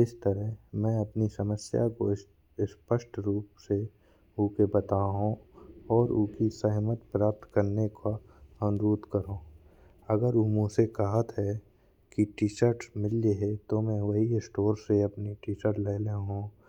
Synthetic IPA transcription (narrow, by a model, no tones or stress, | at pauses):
ɪst̪əɾəɦmɛ̃ɐpnisəməsja̰ko | spəʃʈɾuːpse | ukebɐt̪aːɦũɔːɾʊːkisəɦmət̪pɾaːp̚t̪kəɾnekʰa | ə̃nɾuːt̪kəɾõː | ɐɡəɾumũsekɐɦət̪ɦɛ | kiʈiːʃəɾʈsmɪlːeɦɛt̪omɛ̃ʋɐɦiɪsʈoːɾseɐpniʈiːʃəɾʈleːleɦũː